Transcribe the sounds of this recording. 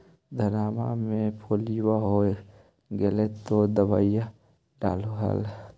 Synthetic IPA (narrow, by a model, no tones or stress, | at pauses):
d̪ʱɐnaːma̰mẽpʰoːliwaɦo | ɡelet̪ːod̪əba̰ːija | ɖaːloɦa̰l